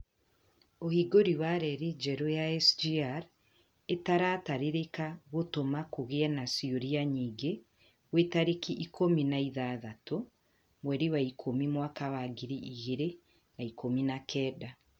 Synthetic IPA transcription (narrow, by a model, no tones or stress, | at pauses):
ohiɡoɾiwaɾɛɾid͡ʒɛɾojaɛsd͡ʒiaɾ | etaɾataɾeɾekaɣotomakoɣeanasioɾiaɲiːɡe | wetaɾekiʔikʰominaiðaːðato | mwɛɾiwaikʰomimwakawaɡiɾiʔiɣeɾe | naikominakʰɛːda